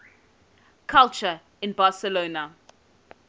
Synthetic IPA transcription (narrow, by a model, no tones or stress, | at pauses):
kʰalt͡ʃə | ɪ̃nbasəloːnə